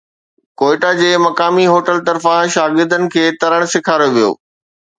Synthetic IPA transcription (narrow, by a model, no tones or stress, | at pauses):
koːɪʈad͡ʑeːmɐkaːmiɦoːʈəlt̪ɐɾfãʃaːɡɪɾd̪ənɪ̆kʰeːt̪ɐɾəɽ̃sɪkʰaːɾjoʋijo̰ː